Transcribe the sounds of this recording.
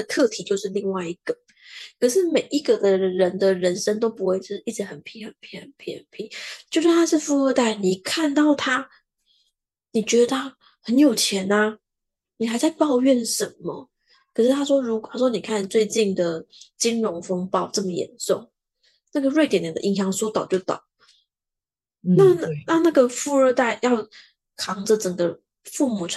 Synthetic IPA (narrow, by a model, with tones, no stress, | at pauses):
ə˩t̪ʰɤ˥˩t̪ʰi˨˩t͡ɕjo˥˧ʊʂɻ̩˥˧li˥˧ŋwa˥˩ɪi˧˥ɡ̥ə˩ | kʰɤ˨˩ʂɻ̩˥˩me˨˩ɪʔi˧˥ɡə˨d̪ə˨ɻə˨˦˥nd̪ə˨ɻə˧˦nʂə˥ŋt̪o˥ʊpu˧˥xwe˥˧ɪʈ͡ʂi˥˩ʈ͡ʂɻ̩˧˥xə˨˩npʰi˧˥xə˨˩npʰi˧˥xə˨˩npʰi˧˥xə˨˩npʰi˧˥˦t͡ɕjo˥˧ʊʂa˥˩nt̪ʰa˥ʂɻ̩˥˧fu˥˧ə˥˧t̪a˥˩ɪni˨˩kʰa˥˧nt̪ɑ˥˩ʊt̪ʰa˥ | ni˨˩t͡ɕɥɛ˧˥d̪ə˧t̪ʰa˥ | hə˧˦njo˨˩ʊt͡ɕʰjɛ˧˦˥na˧ | ni˨˩xa˧˥ɪza˥˧ɪpɑ˥˧ʊɥɛ˥˩nʂə˨˦nmə˨ | kʰʂɻ̩˥˩t̪ʰa˥ʂwɔ˥ɻu˧˥kt̪ʰa˥ʂwɔ˥ni˨˩kʰa˥˩˨n˩t͡swe˥˧ɪt͡ɕi˥˩nd̪ə˩t͡ɕi˦˥ŋɻʊ˧˥ŋfɤ˥ŋpɑ˥˧ʊʈ͡ʂɤ˥˩mə˩jɛ̰˨˩nso˥˩ʊŋ | na˥˩ɡə˩ɻwe˥˩ɪt̪jna˨˩d̪ə̰˧i˥˩ɕjɑ˧˥ŋswɔ˥t̪ɑ˨ʊt͡ɕjo˥˩ʊt̪ɑ̰˨˩˦ʊ | na˥˩˥na˥˧na˥˩ɡə˩fu˥˧ə˞˥˧t̪a˥˧ɪjɑ˥˩ʊ | kʰɑ˧˥ŋd͡zə˨ʈ͡ʂə˨˩ŋɡə˦ | fu˥˩mu˨˩